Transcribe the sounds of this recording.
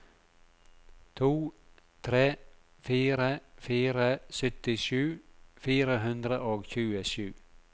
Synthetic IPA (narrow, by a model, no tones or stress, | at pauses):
t̪ʰuː | t̪ʰɾeː | fiːɾəfiːɾəsœt̪ɪʃʉːfiːɾəɦɵnd̪ɾəʔoːɡçʉːəʃʉː